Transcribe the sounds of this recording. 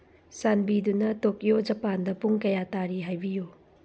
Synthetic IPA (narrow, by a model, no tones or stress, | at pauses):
sanbidunɐtok̚jod͡ʒɐpandɐpuŋkɐjataɾiɦajbiju